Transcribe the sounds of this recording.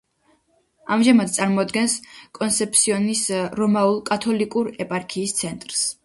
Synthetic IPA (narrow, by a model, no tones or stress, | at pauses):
amʒamad̪̚t̪sʼaɾmɔd̪ɡɛnskʼɔnt̪sʰɛp̚ʰt̪sʰiɔnisɾɔmaulˠkʼat̪ʰɔlikʼuɾɛpʼaɾkʰiːst̪sʰɛnt̪ʼɾs